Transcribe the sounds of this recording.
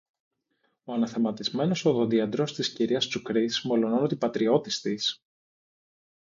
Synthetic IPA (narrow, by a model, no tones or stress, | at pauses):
o̞ɐnɐθemɐt̪izme̞no̞soðoðiɐnd̪ɾo̞st̪isciɾiɐst̪ukɾismo̞lo̞nonot̪ipɐt̪ɾio̞t̪ist̪is